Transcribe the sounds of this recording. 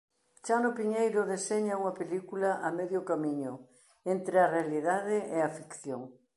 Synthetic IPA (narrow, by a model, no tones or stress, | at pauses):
ʃanʊpiɲejɾʊðeseɲɐuŋɐpelikulɐʔamɛðjʊkamiɲʊ | ent̪ɾeɐrealiðaðɪʔeɐfikθjoŋ